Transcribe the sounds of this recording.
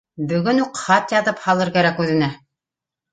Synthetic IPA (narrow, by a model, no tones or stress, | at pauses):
bɵ̆ɡɵnuqχɑt̪jɑðɤphɑlˠɤɾkæɾækʉðɘ̆næ